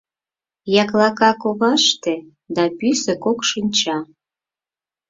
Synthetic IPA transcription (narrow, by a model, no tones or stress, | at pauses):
jɑklɑkɑkoβɑʃt̪ĕ | d̪ɑpysĕkokʃinʲt͡ɕɑ